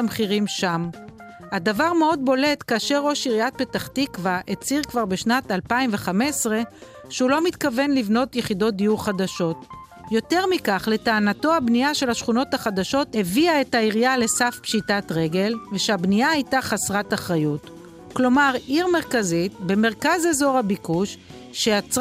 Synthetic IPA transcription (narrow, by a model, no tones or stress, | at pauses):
mχiʁimʃam | adavaʁme̞o̞d̚bo̞le̞tkaːʃe̞ʁːo̞ʃiʁijat̚be̞taχtikvaʔet͡siʁkvaʁbe̞ʃnatalpaimve̞χame̞sʁe̞ | ʃeulo̞mit̪kave̞nlivno̞t̪jeχido̞t̚d̪ijuʁχadaʃo̞t | jo̞te̞ʁmikaχle̞taːnato̞abnijaʃe̞lhaʃχuno̞taχadaʃo̞theviae̞taiʁijale̞safpʃitatʁe̞ɡe̞lveʃeabnijaajtaχasʁataχʁajut | klo̞maʁiʁme̞ʁkazitbe̞me̞ʁkazezo̞ʁhabikuʃ | ʃeat͡s